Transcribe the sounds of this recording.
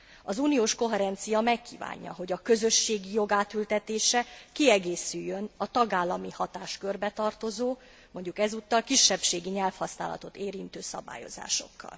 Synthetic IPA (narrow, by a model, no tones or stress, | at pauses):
ɒzuːnijoːʃko̞ɦɛɾɛnt̪sijɒmɛkʰːḭːva̰ːɲːɒ̰ɦo̞ɟɒkø̞zø̞ʃːeːɡijo̞ɡaːt̪ylt̪ɛt̪eːʃɛkiɛɡeːsyjːønɒt̪ɒɡaːlːɒmihɒt̪aːʃkørbɛt̪ɒrt̪o̞zoː | mo̞ɲɟukɛzuːt̪ːɒlkiʃːɛpʃeːɡiɲɛlfhɒsnaːlɒ̰t̪o̞t̪eːɾint̪øːsɒ̰ba̰ːjo̞̰za̰ːʃo̞̰kːɒ̰l